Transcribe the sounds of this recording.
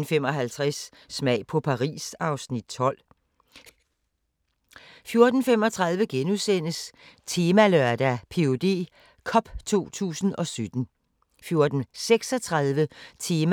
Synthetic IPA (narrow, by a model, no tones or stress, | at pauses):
n̩fem̰ɒ̽ɦælt͡sʰʁɛsː | mɛɪpʰɒ̽pʰɑ̈ʁḭːsɑ̈ʊsnid̥t͡sʰɒ̽l̰ | fjo̝ɐd̥n̩fem̰ɒ̽t͡sʰʁɑ̈ðˠʋəɡ̥enuðˠsen̰əst͡sʰe̝ːmælœɐd̥æpʰe̝o̝d̥e̝̰ː | kʰɒ̽b̥t͡sʰo̝̰ːt͡sʰṵːsn̩ɒ̽sød̥n̩ | fjo̝ɐd̥n̩seɡ̥sɒ̽t͡sʰʁɑ̈ðˠʋət͡sʰe̝ːm